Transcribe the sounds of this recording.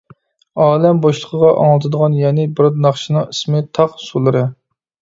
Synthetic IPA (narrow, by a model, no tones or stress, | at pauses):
ɑːlɛmboʃlˠəqʰəʁɑʔɑ̰ŋlˠɨt̪ʰɨd̪əʁɑnjɛnɪbɨɾd̪nɑχʃinɨŋismɨt̪ʰɑqsulˠɨɾɨ